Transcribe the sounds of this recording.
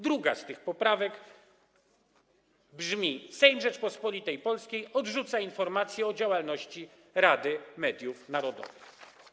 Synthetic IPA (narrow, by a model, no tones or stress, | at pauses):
d̪ɾuɡa̰st̪ɘxpɔpɾavɛɡ | bʐmʲisɛjnʐɛt͡ʂpɔspɔlʲit̪ɛjpɔlskʲejɔdʐut̪sainfɔɾmat̪sʲjɛɔd͡ʑawalnɔɕt͡ɕi | ɾad̪ɘmɛd̪ʲjufnaɾɔd̪ɔ̰vɘx